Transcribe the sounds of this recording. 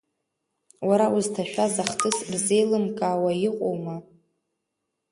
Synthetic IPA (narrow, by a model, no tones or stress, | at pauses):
waɾauztʰaʃᶣazaχtʰʼɨsbze̞jlɨmkʼaːwajɪqʼo̰wma